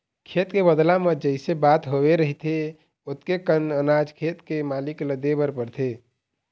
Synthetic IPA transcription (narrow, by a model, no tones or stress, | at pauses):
kʰet̪kebəd̪lamed͡ʒəɪsebat̪ɦoweɾəɦit̪ʰe | ot̪kekənənad͡ʒkʰet̪kemalikləd̪ebəɾpəɾt̪ʰe